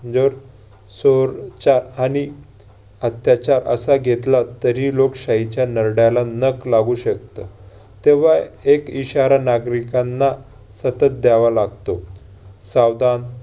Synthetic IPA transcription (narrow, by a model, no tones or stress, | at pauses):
d͡zoɾ | soɾt͡ɕaɾañi | ət̪jat͡ɕaɾʔə̰saɡʱet̪lat̪əɾiːlokɕaɦit͡ɕjanəɾɽjalanəklaɡuɕəkt̪ə | t̪eʋ̤aekiɕaɾanaɡɾikanːa | sət̪ət̪̚d̪aʋalaɡt̪o | sawd̪an